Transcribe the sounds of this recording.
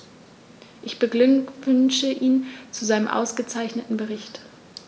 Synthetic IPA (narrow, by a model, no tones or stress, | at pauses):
ʔɪçb̥əɡvʏnʃəʔiːnt͡suzaɪnəmʔa̰ʊsɡ̥ət͡saɪçnətn̩bəʁɪçt